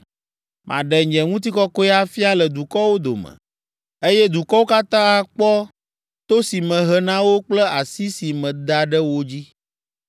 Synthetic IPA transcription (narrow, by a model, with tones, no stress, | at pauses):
mʔã̰˨ɖɛ˨ɲd͡ʒɛ˨ŋũ˦t̪̬i˦kɔ˦kɔ˦ɛ˦a˦fi˦a˦lɛ˨d̪u˨kɔ˦wo˦d̪o̰˨mɛ̰̃˨ | e˦jɛ˦d̪u˨kɔ˦wo˦ka˦t̪ã˦a˨k͡pɔ˦ | t̪o˦si˨mɛ̃˨ɦɛ˨nã˦wo˦k͡plɛ˦a˨si˦si˨mɛ̃˨d̪a˨ɖɛ˦wo˦d͡ʑi˦